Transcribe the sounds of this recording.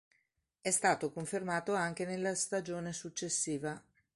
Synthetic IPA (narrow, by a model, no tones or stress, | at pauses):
ɛst̪aːt̪okoɱfermaːt̪oaŋk̟enelːast̪ad͡ʒoːnesut͡ʃːesːiːva